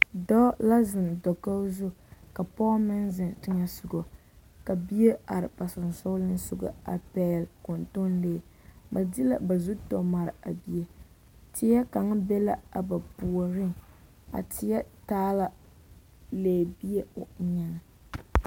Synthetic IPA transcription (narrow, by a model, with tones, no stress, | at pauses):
dɔː˦la˦zɪ˨n˨dɔ˨ka˦zʊ˦ka˨pɔː˦mɪ˦nzɪ˨ntɪ˦ŋa˦sʊ˨ɡo˨ | ka˨bi˦e˦a˨ɾɪ˨pa˨sɨ˨n˨so˦lɪ˦n˦sʊ˨ɡa̰˨a̰˨pɛː˦˨lko˨nto˦nleː˨ | ba˨di˦la̰˦ba˨zu˦tɔ˨ma˨ɾɨ˨a˨bi˨e˦ | tɪ˨ja˦ka˨ŋ˦bɛ˦la˦a˨ba˨pu˨o˨ɾɪ˦ŋ | a̰˨tɪ˨ja˦taː˦la˦ | leː˨˦˨bi˦e˦o˨˦ɲɛ˨na˨